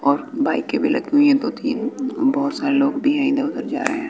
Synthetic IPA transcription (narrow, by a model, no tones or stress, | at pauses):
ɔːɾbaːikːebʱilɐ̰ɡiɦũĩɛ̃t̪ot̪ʰiːbɔːʊt̪saːɾeloːɡbʱiɦɛ̃ĩnd̪aʊzəɾd͡ʒa̰ːɾə̰ɦeɦɛ̃ː